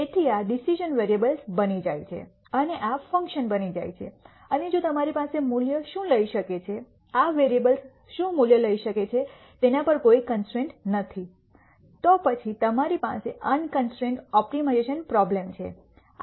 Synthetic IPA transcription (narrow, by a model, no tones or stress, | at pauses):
et̪ʰiaɖisiʒənʋeɾiebəlsbənid͡ʒajt͡ʃʰḛ | əneʔafə̃ŋkʃənbənid͡ʒa̰jt͡ʃʰḛ | əned͡ʒot̪əmaɾipasemuljəʃũləiʃəket͡ʃʰe | aʋeɾiebəls | ʃũmuljələiʃəket͡ʃʰe | t̪enapəɾkoikənsʈɾẽɳʈnət̪ʰi | t̪ɔpət͡ʃʰit̪əmaɾipa̰seʔənkənsʈɾẽɳʈɔpʈimaeʃənpɾɔblemt͡ʃʰḛ